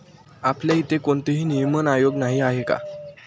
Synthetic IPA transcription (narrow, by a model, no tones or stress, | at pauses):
apljait̪ekoɳt̪eɦiːnijmənajoɡnaɦiaɦeka̰